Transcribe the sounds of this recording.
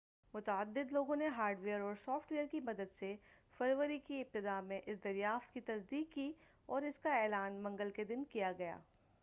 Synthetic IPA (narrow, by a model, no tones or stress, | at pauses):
mʊt̪əəd̪ːɪd̪loːɡõneɦaːɾɖʋeːəɾɔːɾsɔːfʈʋeːəɾkimɐd̪əd̪sefɐɾʋəɾikiɪb̚t̪ɪd̪amẽʔɪsd̪ɐɾjaːft̪kit̪ɐsd̪iːkːi | ɔːɾɪskaɛːlaːnmɐ̃ŋɡəlked̪ɪnkijaɡɐja̰ː